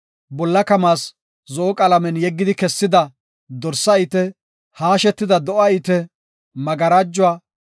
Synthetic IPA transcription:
bɔlːɐkɐmaːs | zɔʔɔkʼɐlɐmɛnjɛɡːɪd̪ɪkɛsːɪd̪ɐ | d̪ɔɾsɐɪt̪ɛ | haːʃɛt̪ːɪd̪ɐd̪ɔʔɐɪt̪ɛ | mɐɡɐɾaːd͡ʒːʊaː

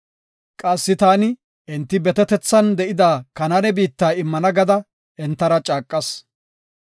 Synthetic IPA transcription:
kʼɐsːɪt̪aːnɪ | ʔɪnt̪ːɪbɛt̪ɛt̪ɛt͡sːɐnd̪ɛʔɪd̪aːkɐnɐɾɛbiːt̪ːaːɪmːɐnɐɡɐd̪ɐ | ɛnt̪ːɐɾɐt͡ʃʼaːkʼːɐs

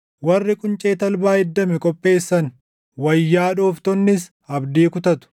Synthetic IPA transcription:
wɐrːɪkʼʊnt͡ʃʼe̞ːt̪ɐlbaːɪd̪ːɐmɛkʼɔpʼːe̞ːsːɐn | wɐjːaːᶑuːft̪ɔnːɪs | ɐbd̪iːkʊt̪ɐt̪ʊ̥

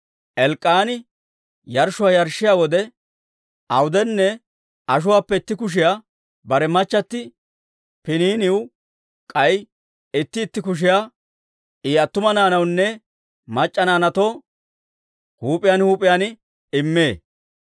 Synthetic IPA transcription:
ʔɛlkʼːaːnɪ | jɐɾʃʊwaːjɐɾʃːɪjaːwɔd̪ɛ | ɐwʊd̪ɛnːɛ | ɐʃ̬ʊwaːpːɛɪt̪ːɪkʊʃ̬ɪjaː | bɐɾɛmɐt͡ʃːɐt̪ːɪ | pɪniːnɪw | kʼɐj | ɪt̪ːɪːt̪ːɪkʊʃ̬ɪjaː | ʔiːɐt̪ːʊmɐnaːnɐwnːɛ | mɐt͡ʃʼːɐnaːnɐt̪oː | huːpʼːɪjaːnhuːpʼːɪjaːn | ɪmːeː

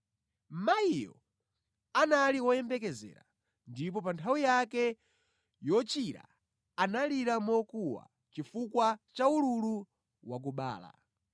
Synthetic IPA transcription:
maijɔ̰ | analiwɔjɛmbɛk̬ɛzɛ̰ːɾa | ndip̬ɔpantʰawijakɛ | jɔt͡ʃiɾa̰ | analiɾamɔkuwa̰ | t͡ʃifukwat͡ʃauɾulu | wak̬uɓa̰ːla̰

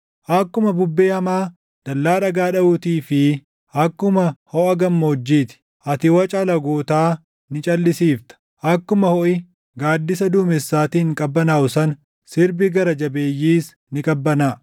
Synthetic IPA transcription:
ʔɐkːʊmɐbʊbːeːhɐmaː | d̪̥ɐlːaːᶑɐɡaːᶑɐʊt̪iːfɪ | ʔɐkːʊmɐhɔʔɐɡɐmːoːd͡ʒːiːt̪ɪ̥ | ʔɐt̪ɪwɐt͡ʃʼɐlɐɡoːt̪aː | nɪt͡ʃʼɐlːɪsiːft̪ɐ̥ | ʔɐkːʊmɐhɔʔɪ | ɡaːd̪ːɪs̬ɐd̪uːmɛsːaːt̪iːŋkʼɐbːɐnaːʔʊsɐn | sɪɾbɪɡɐɾɐd͡ʒɐbe̞ːjːiːs | nɪkʼɐbːɐnaː

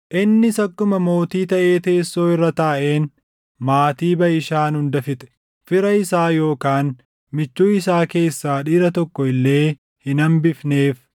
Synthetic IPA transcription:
ʔɪnːɪsɐkːʊmɐmo̞ːt̪iːt̪ɐʔe̞ːt̪e̞ːsːo̞ːɪrːɐt̪aːʔe̞ːn | maːt̪iːbɐjɪʃaːnhʊnd̪ɐfɪt̪ɛ̥ | fɪɾɐɪsaːjo̞ːkaːn | mɪt͡ʃːuːɪsaːke̞ːsːaːᶑiːɾɐt̪ɔkːɔɪlːe̞ː | hɪnɐmbɪfne̞ːf

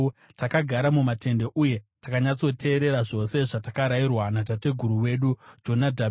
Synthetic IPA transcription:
takaɡʱaɾamumate̞nde̞ʔuje̞takaɲat͡so̞tʰe̞ːɾe̞ɾaʐo̞se̞ʐatakaɾairwanat̬ate̞ɡʱuɾuwe̞ɗud͡ʒo̞nadʱa

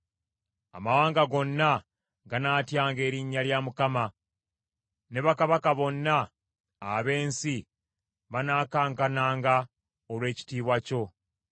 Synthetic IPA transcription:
a̰mawaːŋɡaɡo̞nːa | ɡanaːtjaːŋɡe̞ːɾiɲːaljaːmukama | ne̞βakaβakaβo̞nːa̰ː | βe̞ːnsi | βanaːkaːŋkanaːŋɡa | olwe̞ːci̥tiːβwaco̞

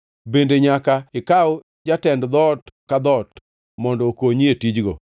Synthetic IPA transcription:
bendeɲakaɪkawʊ | d͡ʒatɛndd̪ɔtkad̪ɔt | mɔndɔokoɲietid͡ʒɡo

